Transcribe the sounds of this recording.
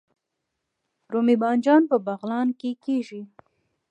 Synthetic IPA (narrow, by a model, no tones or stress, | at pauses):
ɾomibɑnd͡ʒɑnpəbaɣlɑnkekeʒi